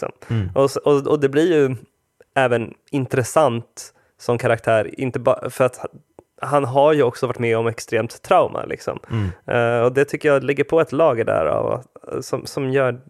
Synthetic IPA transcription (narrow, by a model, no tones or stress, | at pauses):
sɔ̰mʔɔsɔɔd̪ɛblɪɾjɵ | ɛːvən | ɪnt̪ɾɛsant̪ | sɔmkʰaɾak̚t̪ʰæːɾɪ̰nt̪əbfœɾat̪ | hanɦaɾjɵɔksɔvaʈːmɛɔmɛkst̪ɾeːmt̪ʰːɾaʊmʔa̰lʔɪ̰ksɔ̰m | ɔd̪ɛt̪ʰʏkːəjɑːlɛɡːəɾpʰɔɛt̪lɑːɡəɖæ̰ɾa̰v̰sɔmsɔmjœː